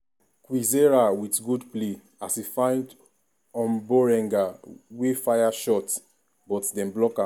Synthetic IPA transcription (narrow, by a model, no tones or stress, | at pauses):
kwizeɹawitɡudple | asifãɪ̃nd | ɔ̃nbɔɹɛ̃ŋɡawefajaʃɔt | bɔtdɛ̃mblɔka